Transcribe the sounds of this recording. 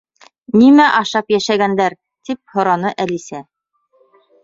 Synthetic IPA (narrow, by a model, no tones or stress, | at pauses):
nimæʔɑʃɑpjæʃæɡænd̪æɾ | t̪ip̚hŏɾɑnɤʔælisæ